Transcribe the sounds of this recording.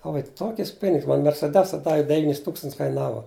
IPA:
oː ʋɐ ɪ ˈtoːkʲɪs ˈpʲɪnʲɪks mɐn mʲɛrʲsʲɛˈdʲæːsɐ ˈdɑːʋʲɪ dʲɛˈʋʲiːnʲɪs ˈtuːkstɐnts kɐɪˈnɑːʋɐ

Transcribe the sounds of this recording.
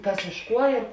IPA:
ˈkɐs ɪʃ ˈkuɔ ɪr

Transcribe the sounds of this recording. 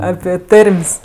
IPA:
ˈɑːpʲɪ ˈtɐrʲmʲsʲ

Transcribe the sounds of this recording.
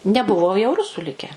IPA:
nʲɛˈbʊʋoː jɛʊ ˈrʊsuː ˈlʲɪkʲɛ

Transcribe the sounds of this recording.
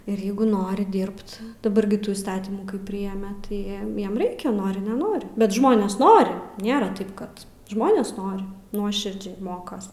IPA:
ɪr ˈjɛɪɡʊ ˈnoːrʲɪ ˈdʲɪrpt dɐˈbɐr ɡʲɪ ˈtuː iːsˈtɑːtʲiːmuː kɐɪ ˈpʲrʲɪjɛmʲɛ tɐɪ ˈjiɛm ˈjiɛm ˈrʲɛɪkʲɛ ˈnoːrʲɪ nʲɛˈnoːrʲɪ bʲɛt ˈʒmoːnʲeːs ˈnoːrʲɪ ˈnʲeːrɐ ˈtɐɪp kɐt ˈʒmoːnʲeːs ˈnoːrʲɪ ˈnuɔʃʲɪrʲd͡ʒʲɛɪ ˈmoːkɐs

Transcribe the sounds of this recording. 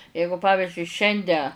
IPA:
ˈjɛɪɡʊ ˈpɑːʋʲɪʒʲʊɪ ˈʃʲɛnʲdʲɛ

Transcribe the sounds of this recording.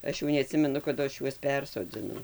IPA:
ˈɐʃ jɛʊ nʲɛɐˈtʲsʲɪmʲɛnʊ kɐˈdʊ ˈɐʃ ˈjuɔs ˈpʲɛrsoːd͡zʲɪnɐʊ

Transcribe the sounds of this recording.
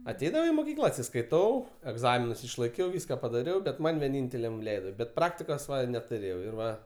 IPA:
ɐˈtʲɛɪdɐʋɐʊ ɪ moːˈkʲiːklˠɐ ɐtʲsʲɪskɐɪˈtɐʊ ɛɡˈzɑːmʲɪnʊs ɪʃlˠɐɪˈkʲɛʊ ˈʋʲiːskɐ pɐdɐˈrʲɛʊ bʲɛt ˈmɐnʲ ʋʲiɛˈnʲiːnʲtʲɛlʲɛm ˈlʲɛɪdoː bʲɛt ˈprɑːktʲɪkoːs nʲɛtʊˈrʲeːjɛʊ ɪr ˈʋɐ

